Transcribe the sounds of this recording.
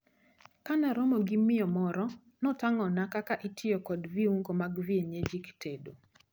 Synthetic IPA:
kanaɾɔmoɡimɪɔmɔɾɔ | nɔtaŋɔnakakaʔitʰɪɔkɔdviuŋɡomaɡvieɲed͡ʒiktʰedo

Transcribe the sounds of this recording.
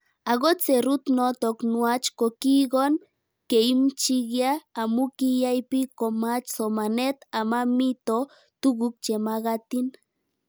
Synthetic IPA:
aɣot͡seɾut̪not̪oknuat͡ʃkokiɣon | keimt͡ʃiɣjaːmukijajpikomat͡ʃsomanet̪amamit̪o | t̪uɣuk̚t͡ʃemaɣat̪in

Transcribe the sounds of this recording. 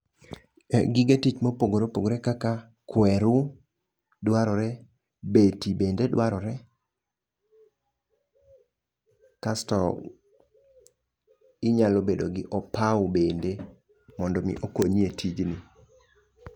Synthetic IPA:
ɡɪɡetit͡ʃmopoɡoɾopoɡoɾɛkaka | kwɛɾu | dwaɾɔɾɛ | betibendedwaɾɔɾɛ | kastɔ̰l | ɪɲalobedoɡɪʔɔpaʊbende | mɔndɔmḭʔokoɲietʰid͡ʒni

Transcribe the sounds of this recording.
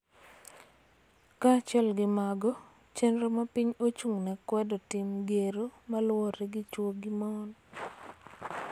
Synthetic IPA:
kat͡ʃɛlɡɪmaɡɔ | t͡ʃɛnɾomapiɲot͡ʃuŋnɛkwɛdotɪmɡeɾomalwoɾɛɡɪt͡ʃwoɡɪmɔn

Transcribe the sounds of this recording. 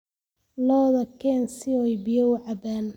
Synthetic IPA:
lɔːðɐkʰɛnsɪɔjbɪjɐʊʕɑbaːn

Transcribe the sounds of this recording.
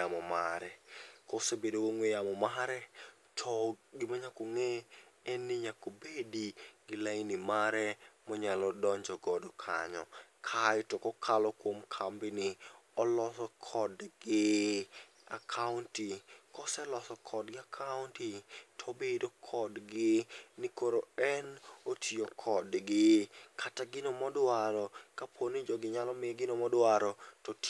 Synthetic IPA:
amɔmaɾɛkɔsebedowoŋwejamɔmaɾɛ | tʰɔɡɪmaɲakoŋeɛnɪɲakobediɡɪlainɪmaɾɛmɔɲalɔdɔɲd͡ʒɔɡɔdɔkʰa̰ɲɔ̰kʰatɔkɔkʰalɔkwomkʰambɪnɪɔlɔsɔkʰɔdɡɪ | a̰kʰauntikɔsɛlɔsɔkʰɔdɡɪakʰauntitʰobedokʰɔdɡɪnɪkoɾoɛnotʰjokʰɔdɡɪkʰataɡɪnɔmɔdwaɾɔkapʰonɪd͡ʒɔɡɪɲalɔmɪɡɪnɔmɔdwaɾɔtɔt

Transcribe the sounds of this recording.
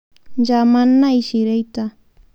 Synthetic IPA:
d͡ʒamanajʃɪɾɪjt̪a

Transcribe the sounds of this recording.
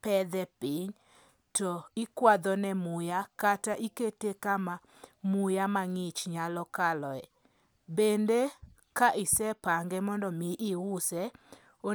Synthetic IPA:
pɛd̪ɛpɪɲ | tɔɪkwad̪ɔnɛmʊjakataʔiketekama | mʊjamaŋɪt͡ʃɲalɔkalɔɛ | bende | kaʔɪsɛpaŋɡɛmɔndɔmiʔɪwʊsɛ | o

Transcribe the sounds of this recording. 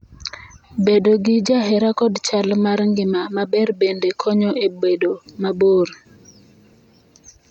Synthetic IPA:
bedoɡɪd͡ʒaɦɛɾakɔdt͡ʃalmaɾŋɡɪmamabɛrbendekʰɔɲɔʔebedomaboɾ

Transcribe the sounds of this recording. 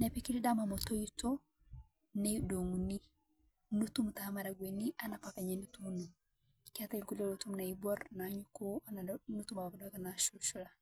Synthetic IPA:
nɛpikilidamamɔtojito | nɛdoŋuni | nutumtamaɾaɡweniʔanapakaɲenutumnu | kiatalkulolotumnaibɔɾnaɲukoananutumawakdɔkanaʃulʃula

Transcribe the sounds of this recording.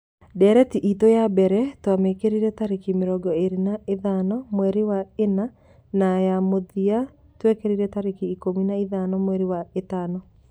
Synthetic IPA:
dɛɾɛtiʔitojabɛɾɛtwamekeɾiɾɛtaɾekimeɾɔɡɔeɾinaeðanɔmwɛɾiwaena | najamoðia | twekeɾiɾɛtaɾekiːkominaiðanɔmwɛɾiwaetanɔ

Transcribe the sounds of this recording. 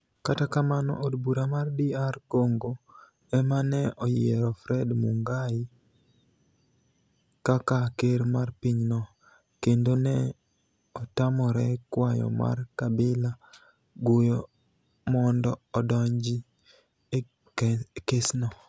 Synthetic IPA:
katakamanɔ̰ʔodbuɾamardiarkoŋɡo | ɛmanɛɔjɛɾɔfɾɛdmuŋɡai | kakakeɾmarpiɲnɔ | kendonɛ | ɔtamɔɾɛkwajɔ̰ma̰rkabɪla | ɡʊjɔ | mɔndɔɔdɔɲd͡ʒi | kesnɔ

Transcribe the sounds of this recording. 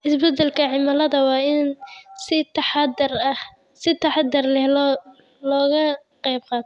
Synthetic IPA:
ʔɪsbɐd̪ɛlkʰɐʕɪmɐlɐðɐwɑːɪnsɪt̪rɐ | sɪt̪ʰɑħɑd̪ɐrlɛh | lɔːɣɐqɛjb̚qɑːt̪ʰɔ

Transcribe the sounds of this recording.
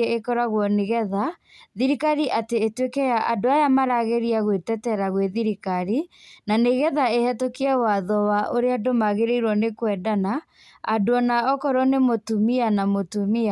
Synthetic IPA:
eekɔɾaɣwɔniɣɛða | ðiɾikaɾiʔateːtwekɛjaʔadoajamaɾaɣeɾiaɣwetɛtɛɾaɣweðiɾikaɾinaneɣɛðaehɛtokiawaðɔwaʔoɾeadomaɣeɾeiɾwɔnekwɛdana | a̰doɔnaɔkɔɾɔnemotumianamotumia

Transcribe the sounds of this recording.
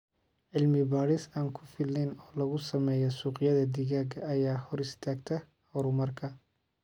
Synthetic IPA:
ʕɪlmɪbaːɾɪsaːŋkʰʊ̥fɪlɪnɔːlɐɣʊsɐmɛːjɔsuːqɪjɐðɐd̪iɣaːɡɐɐjaːhɔɾɪst̪ʰaːɡt̪ʰɐ | hɔɾʊmɐrkʰɐ

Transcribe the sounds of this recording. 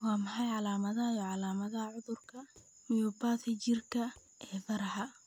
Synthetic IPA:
wɑːmɐħɑjʕɑlaːmɐðɐɐjɔːʕɑlaːmɐðɐɦɐʕʊðʊrkʰɐ | mɪjɔbaːt̪ʰɪt͡ʃɪrkʰɐ | ʔɛːfɐɾħɐ

